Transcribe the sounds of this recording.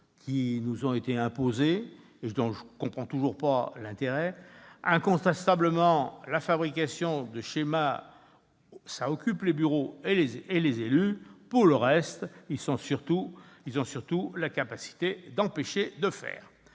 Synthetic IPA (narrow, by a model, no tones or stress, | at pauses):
kʲʰinuzɔ̃et̪eɛ̃pozeː | d̪ɔ̃ʒəkɔ̃pχɑ̃t̪uʒuʁpalɛ̃t̪eʁɛɛ̃kɔ̃t̪ɛst̪abləmɑ̃lafabʁikʲasjɔ̃d̪əʃema | saɔkʲyplebyʁoeleelezelypuʁləʁɛst̪ilsɔ̃syʁt̪u | ilzɔ̃syʁt̪ulakapasi̥t̪ed̪ɑ̃peʃed̪əfɛ̰ːʁ